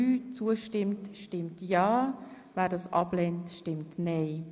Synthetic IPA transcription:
yːt͡suəʃtɪmtʃtɪmtjɑː | væːɾdɑːsʔɑ̰blɛntʃtɪmtneɪ

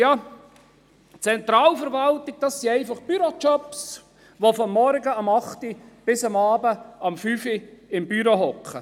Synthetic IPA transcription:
jɑ | t͡sɛnt̪ɾɑːlfəɾʋɑlt̪ɪɡ̚d̥ɑsːiɛɪfɑχb̥yɾot͡ʃɔps | ʋofɔmːɔɾɡəɑmɑχt̪ib̥ɪsɑmɑːbəɑmfyfiɪmbyɾoɦɔkχə

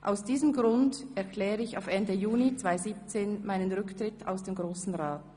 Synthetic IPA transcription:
ʔa̰ʊsd̥iːzəmɡʁʊndɛɐkʰl̥ɛːʁəɪçaʊfɛndəjuːnit͡sv̥aɪziːp̚t͡seːnmaɪnənʁʏktʁ̥ɪta̰ʊsd̥eːmɡʁoːsn̩ʁaːt

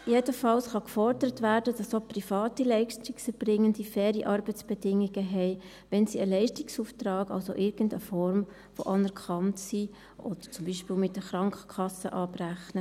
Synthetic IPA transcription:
jedəfɑlsχɑkfɔɾdəɾətvæːɾdəd̥ɑsoprifɑːtilɛɪʃtiksəb̥rɪŋːəndifɛːɾiʔɑɾbət͡sb̥ɛdɪŋːiɡ̥əɦɛɪ | ʋɛnsiəlɛɪʃtɪksuːftɾɑːɡɑ̰lso̰ʔɪɾɡ̥əndə̰fɔɾm | fo̰ʔɑnɛɾkʰɑntsi | ʔɔd̥ə̥t͡sʊmbiːʃpiːlmɪtːəχɾɑŋkχə̥kʰɑsə̰ʔɑːpræχnə

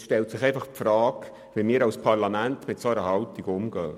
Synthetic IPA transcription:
ʃtɛltsɪχɛɪfɑχpfrɑːk | ʋimiːɾɑwspʰɑrlɑmæntmɪtsoəɾəhɑltiɡʊmɡ̥œː

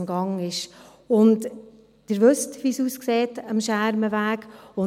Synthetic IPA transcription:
mɡ̥ɑŋɪʃ | ʊnt | d̥əɾʋɵstʋiːsuːskseːtəmʃæɾməvæːkʊ

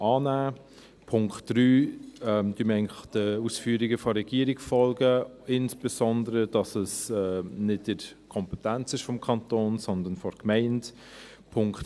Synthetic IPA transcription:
ɑːnæː | pʰʊŋktɾyːɛmd̥ymɛɪŋəχd̥əusfyːɾiɡəfɔɾɛɡ̥iəɾɪkfɔlɡəɪnsb̥ɛsɔnd̪əɾəd̥ɑsəsɛnɪtdɪ | kʰɔmpɛtænt͡sɪʃfɔmkʰɑntoːnsɔnd̪ən̩fɔɾkmɛɪnt | pʰʊŋkt

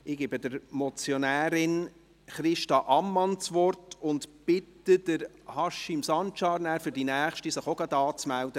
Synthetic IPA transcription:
ɪɡ̥ebədəɾmɔt͡sjɔnæːɾɪn | χɾɪʃtɑʔɑmːɑnt͡sʋɔrtʊntb̥ɪtːəd̪əɾ | hɑʃimsɑntʃɑːɾnæːɾfyɾd̥inæːχʃtisəχoɡɑd̪ɑːt͡smæld̥̪ə

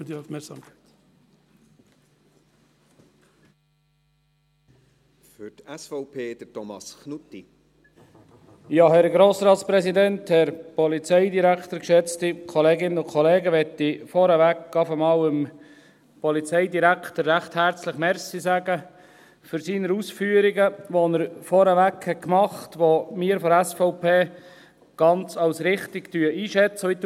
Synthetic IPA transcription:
ədiafmɛksɑmkʰɛɪt̪ | fʏɾtɛsfɔʊpʰeːd̥ətɔmɑ̰sknut̪ːi | jɑːhɛɾɡɾoːsɾɑːtspɾɛsidɛnthɛɾpɔlit͡sɛɪdiɾækʰt̪əɾkʃɛt͡stikʰɔleːɡɪnəʊkʰχɔleːɡəʋɛt̪ifɔɾəʋækːɑfəmɑːwəm | pɔlit͡sɛɪdiɾækʰtəɾːæχthæɾt͡sləχmɛɾsisæɡə | fʏɾsiːnəɾusfyːəɾiɡəʋonəɾfɔɾəʋækhɛtkmɑχtʋomɪːəɾfɔɾæsfɔʊpʰeː | ɡ̥ɑnt͡sɑwsɾɪχtiktyəʔiːʃɛt͡səʋit̪ː

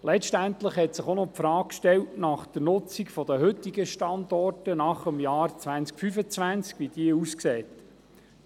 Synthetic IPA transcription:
lɛʃtæntləχhɛtsɪχonɔpfɾɑːkʃtɛltnɑχd̪̥əɾnʊt͡sikfɔd̥̪əɦɵtiɡəʃtɑnd̪ɔrtənɑχəmjɑːɾt͡sʋænskfyfət͡sʋænt͡skʋid̥iəuskseːt̪

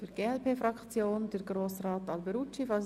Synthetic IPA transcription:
fyɾɡ̥eːɛlpʰeːfɾɑkt͡sjoːnd̥əɾɡɾoːsraːtɑlbɛɾut͡ʃifɑ

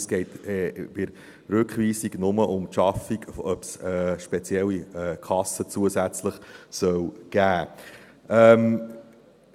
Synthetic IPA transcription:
sɡ̥ɛɪt̪ːb̥ɪɾ | ɾɵkχʋiːsiɡnʊməʔʊmtʃɑfiɡœpsɛʃpɛt͡sjɛlːiɛkʰɑsət͡suəsæt͡sləχsœwɡ̥æː | ɛm

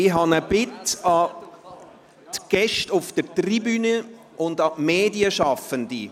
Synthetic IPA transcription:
ɪɦɑnəbɪtɑ | tɡ̥ɛʃtʊfd̥əɾtribynə | ʔʊndɑmeːdiəʃɑfəndi

